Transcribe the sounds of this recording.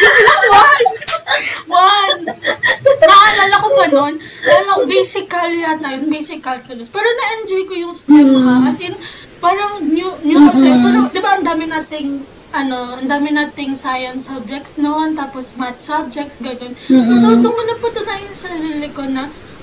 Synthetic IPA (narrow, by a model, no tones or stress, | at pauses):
ɡɐlɐwan | wan | ɐlalɐkopɐnon | alɐbɛjsɪkɐlːat̪ɐjʊnbɛjsɪkɐlkɐlospɛːɾonɐʔɛnd͡ʒojkojʊŋst̪ɛmkɐkɐsɛjʊn | paːɾɐŋnjunjukɐɛɐnɐd̪ɪbaʔɐnd̪aːmɪnaːt̪ɪŋ | ʔɐno̞ʔɐnd̪aːmɪnaːt̪ɪŋsajɐnsɐb̚d͡ʒɛk̚t̪snont̪aːposmɐt̪̚sɐb̚d͡ʒɛk̚t̪sɡɐnonsosolt̪omʊnɐpʊt̪ʊnaːjɪnsɐɾɐlilɪkonɐ